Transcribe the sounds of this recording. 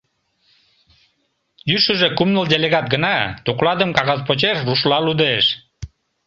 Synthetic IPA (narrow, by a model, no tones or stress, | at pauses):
jyʃuʒekumnəldʲelʲeɣɑt̪̚ɡə̆nɑt̪uqlˠɑd̪əmkɑʁɑzpot͡ɕerːuʃlɑlud̪eʃ